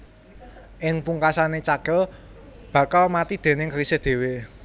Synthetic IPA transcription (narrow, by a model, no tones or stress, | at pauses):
ʔɪŋpuŋkasanet͡ʃaɡ̥ɔ̤ | b̥ä̤kalmat̪id̪̥e̤nɪŋkəɾisɪhd̪̥e̤we